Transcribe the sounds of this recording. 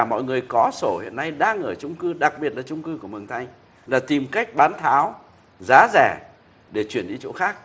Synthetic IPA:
a˨˩mɔ̰˧˨jŋɨ˨˩əjkɔ˨˦so˧˩hḭ˧˨ənːa˧jɗaː˧ŋːəː˧˩t͡ɕʊ˧ŋ͡mkɨ˧ɗa˨˩k̚ɓi˨˩ət̚laː˨˩t͡ɕʊ˧ŋ͡mkɨ˧ku˧˩əmɨ˨˩əŋt̪ʰa˨˩jŋ̟ | laː˨˩t̪i˨˩mka˦˥jk̚ɓaː˨˦nt̪ʰaː˨˦w | zaː˨˦zɛ˧˩ | ɗe˧˩t͡ɕwi˧˩ənɗi˧t͡ɕo̰˧˥xaː˦˥k̚

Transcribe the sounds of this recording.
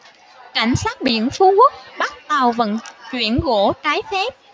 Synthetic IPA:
ka˧˩jŋ̟saː˦˥t̚ɓḭ˧˨ənfu˨˦kwə˦˥t̚ɓa˦˥t̚t̪a˨˩wvə̰˧˩nt͡ɕwḭ˧˩ənɣo̰˧˩˥t͡ɕaː˨˦jfɛ˦˥p̚

